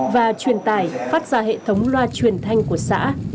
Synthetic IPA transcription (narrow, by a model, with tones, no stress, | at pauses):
vaː˨˩t͡ɕwi˨˩ənt̪aː˧˩jfaː˦˥t̚z̥aː˧˩ɦḛ˧˨t̪ʰə˨˦wŋ͡mlwaː˧t͡ɕwi˨˩ənt̪ʰa˧jŋ̟ku˧˩əsa̰ː˧˥